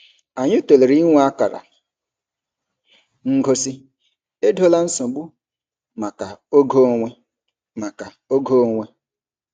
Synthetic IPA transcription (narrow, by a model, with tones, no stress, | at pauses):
a˨ɲɪ˦to˨le˨ɾi˦ŋʷ˦a˦ka˨ɾa̰˨ | ŋ̩˦ɡo˦si˦ | e˦do˦la˦n̩˦so˨ɡ͡bu˦ | ma˨ka˨o˦ɡo˦ŋʷe˦ | ma˨ka˨ | o˦ɡo˦ŋʷe˦